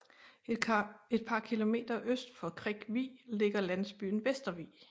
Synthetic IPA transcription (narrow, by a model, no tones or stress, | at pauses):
e̝d̥̚pʰɑ̈kʰilo̝me̝̰ːd̥ɐʔøsd̥fɒ̽kʰʁɛɡ̥ʋḭːle̝ɡ̥ɐlænsb̥y̰ːn̩ʋesd̥ɐʋḭː